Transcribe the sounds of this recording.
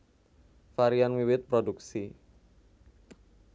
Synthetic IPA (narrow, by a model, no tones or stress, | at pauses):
faɾianwiwɪt̪̚pɾoduksi